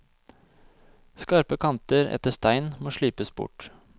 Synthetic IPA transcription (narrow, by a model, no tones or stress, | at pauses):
skɑɾpəkʰɑnt̪əɾɛ̰t̪əst̪æɪnmoːʂɭyːpəsbʊ̰ʈ